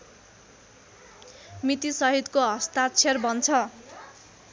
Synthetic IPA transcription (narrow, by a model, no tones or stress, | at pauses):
mit̪isʌɦid̪koɦʌst̪at͡sʰerbʌnt͡sʰʌ